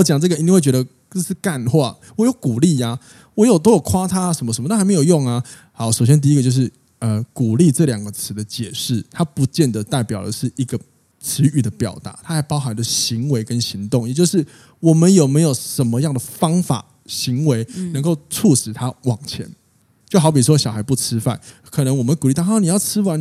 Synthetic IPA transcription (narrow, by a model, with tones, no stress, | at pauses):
o˥˩t͡ɕjɑ˨˩ŋʈ͡ʂɤ˥˩ɡə˨i˧˥i˥˧wt͡ɕɥɛ˧˥d̪ə˧ | t͡ɕo˥˧ʂɻ̩˥˨ka˥˧nxwa˥˨˩ | wɔ˨˩jo˧˩˦ʊku˨˩li˥˩a˨˩ | wɔ˨˦jo˨˩ʊt̪o˥ʊjo˨˩ʊkʰwa˥t̪ʰa˥a˨˩ʂə˧˦nmə˧ʂə˧˦m˨˦˧xɪme˧˥jo˨˩ʊjo˥˩ŋa˨ | ha˨˩ʊʂo˨˩ʊɕjɛ˥nt̪̬i˥˧˥ɡə˧t͡ɕjo˥˧ʊʂɻ̩˥˩ | ə˨ku˨˩li˥˧ʈ͡ʂɤ˥˨ljɑ˨˩ŋɡə˦t͡sʰɻ̩˧˥d̪ə˧t͡ɕjɛ˨˩ʂɻ̩˥˩t̪ʰa˦pu˨˦t͡ɕjɛ˥˩nd̪ə˩t̪a˥˩ɪpjɑ˨˩ʊd̪ə̰˨˦ʂɻ̩˥˩i˧˦˥ɡə˨ | ʈ͡ʂʰɻ̩˧˥y˨˩d̪ə˦pjɑ̰˨˩ʊt̪a̰˧˥˦t̪ʰa˥xa˧˥ɪpɑ˥ʊxa˧˦nd̪ə˨ɕi˧˥˦ŋwe˧ɪkə˦nɕi˧˥ŋt̪ʊ˥˩ŋjɛ˨˩t͡ɕjo˥˧ʊʂɻ̩˥˩ | wɔ˨˩mə˦njo˨˩ʊme˧˥ɪjo˨˩ʊʂə˧˦nmə˧jɑ˥˩ŋd̪ə˩fɑ˥ŋfa̰˨˩ | ɕi˧˦ŋwe˧ɪnə˧˥ŋko˥˧ʊʈ͡ʂʰu˥˩ʂɻ̩˨˩t̪ʰa˦wɑ˨˩ŋt͡ɕʰjɛ̰˧˦n | t͡ɕjo˥˩ʊxɑ˧˥ʊp̬i˨˩ʂ̬wɔ˦˥ɕjɑ˨˩ʊxa˧˥ɪpu˥˩ʈ͡ʂʰɻ̩˥fa̰˥˩n | kʰɤ˨˩nə˧˦ŋwɔ˨˩mə˦nku˨li˥˧t̪ʰni˨˩jɑ˥˩t͡sʰɻ̩˥wa˧˦n